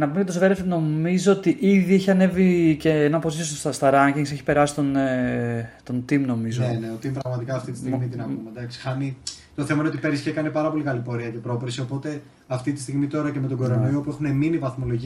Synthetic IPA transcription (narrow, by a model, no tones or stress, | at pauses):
nɐpumecɐt̪osvɾefno̞mizoot̪iʔiðieçiɐne̞viceenɐposisososɐst̪ɐɾɐɲciŋɡseçi̥pe̞ɾɐsi̥t̪on | t̪o̞nt̪imno̞mizonet̪ot̪impɾɐɣmɐt̪ikɐːft̪it̪i̥st̪imit̪inɐumed̪ɐksi̥xɐnit̪oθe̞mɐineot̪ipeɾisçekɐnipɐɾɐpo̞likɐlipo̞ɾiɐce̞pɾo̞pɾisio̞po̞t̪e̞ | ɐft̪it̪i̥st̪iɣmit̪o̞ɾɐceme̞t̪oɡoɾonijopue̞xuneminivɐθmo̞lo̞ʝi